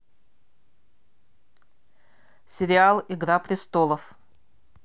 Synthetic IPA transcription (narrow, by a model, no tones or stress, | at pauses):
sʲɪɾʲɪalˠɪɡɾapɾʲɪst̪olˠəf